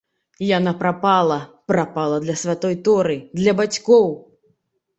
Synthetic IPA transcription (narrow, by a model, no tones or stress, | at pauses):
janapɾapalˠɐ | pɾapalˠɐd̪lʲɐsʲvʲat̪ɔjt̪ɔɾɨd̪lʲɐbat͡sʲkɔw